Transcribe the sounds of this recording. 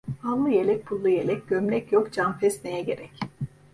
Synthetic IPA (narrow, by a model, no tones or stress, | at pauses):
anlˠɯjelʲɛc̚pʰulˠːujelʲɛc̚ɟ̥ømlʲɛcjokd͡ʒamfɛsnejɛɟe̞ɾɛc